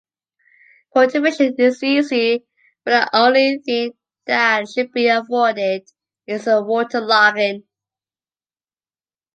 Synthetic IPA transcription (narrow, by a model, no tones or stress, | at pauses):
kʰoʊtɨveʃə̃nɪzizi | b̥ʌt̚ðḭʔõʊ̃nliθɪ̃ŋ | ðætʃɨd̚biəfɔdɪd | ɪzəwɔtʰəlaɡɪ̃n